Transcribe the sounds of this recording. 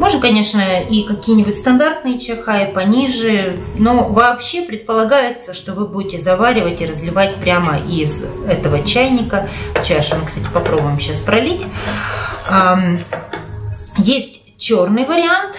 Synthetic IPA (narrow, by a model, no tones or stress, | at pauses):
mo̞ʐnəkɐnʲe̞ʂnəikɐkʲijənʲɪbʊtʲst̪ɐnd̪art̪nɨjət͡ɕɪxaɪpɐnʲiʐɨno̞vɐːpɕːe̞pɾʲɪt̪̚pəlˠɐɡajɪt̪səʂt̪o̞vɨbudʲɪtʲɪzɐvaɾʲɪvətʲɪɾəzlʲɪvatʲpɾʲaməʔiz | ɛt̪əvət͡ɕæjnʲɪkət͡ɕaʂmɨkst̪atʲɪ̥pɐpɾo̞bʊjɪmɕaspɾɐlʲitʲ | jesʲtʲ | t͡ɕornɨjvəɾʲɪant̪